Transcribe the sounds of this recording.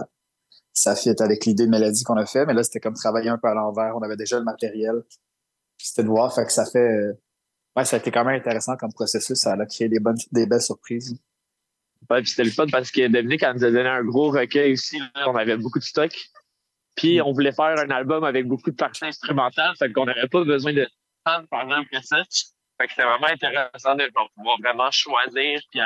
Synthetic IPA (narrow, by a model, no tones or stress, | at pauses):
a | safɛt̪avɛklid̪ed̪əmalad̪ikɔ̃nafɛmɛlʌse̥t̪ɛkɔmt̪χavajeœ̃pøalɑ̃væːʁɔ̃navɛd̪eʒaləmat̪eʁjɛl | pise̥t̪ɛd̪əvwɑːʁfaksafɛ | wɛsaet̪ɛkɑ̃mɛ̃mɛ̃t̪eʁesɑ̃kʌmpχɔsesʏsalakχeed̪ebɔnd̪ebɛlsyʁpχiːz | wɛpise̥t̪ɛləfɔnpaʁsə̥kəd̪əminɪkanuzad̪ɔneɛ̃ɡʁoʁəkʲœjusilɔ̃navɛbokud̪əst̪ɔk | pʰiɔ̃vulɛfæːʁœ̃nalbɔmavɛk̚bokud̪əpaʁsɛɛ̃st̪χymɑ̃t̪alfakɔ̃navɛpʌbəzwɛ̃d̪ə | tanpaʁeɡzɑ̃pləsɛt͡ʃ | fakse̥t̪ɛvʁɛmɑ̃ɛ̃t̪eʁɛsɑ̃d̪əvapuvwɑːʁvʁɛmɑ̃ʃwaziːʁpia